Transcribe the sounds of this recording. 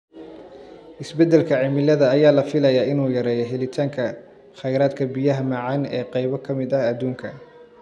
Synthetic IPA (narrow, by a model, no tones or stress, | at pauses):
ʔɪsbɛd̪ːɛlkʰɐʕɪmɪlɐðɐːjaːlɐfɪlɐjaːɪnuːjɐɾɛːjɔɦɛlɪt̪ʰaːŋkʰɐ | χɛjɾaːd̪kʰɐbijɐɦɐmɐʕɑnɛːqɑjβɐkʰɐmɪd̪ɐɐd̪uːŋkʰɐ